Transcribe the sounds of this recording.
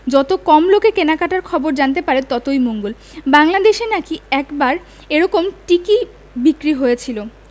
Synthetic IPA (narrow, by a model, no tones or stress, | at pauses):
d͡ʑɔt̪okɔmlokekenakaʈaɾkʰɔboɾd͡ʑant̪epaɾet̪ɔt̪ojmoŋɡol | baŋlad̪eʃenakiɛkbaɾ | eɾɔkomʈiki | bikɾiɦojet͡ɕʰilo